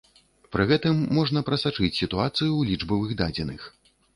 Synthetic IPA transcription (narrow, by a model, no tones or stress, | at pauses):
pɾɨɣɛt̪ɨmːɔʐnɐpɾɐsat͡ʂɨt͡sʲsʲit̪uat̪sɨjulʲid͡ʐbɐvɨɣd̪ad͡zʲɛnɨx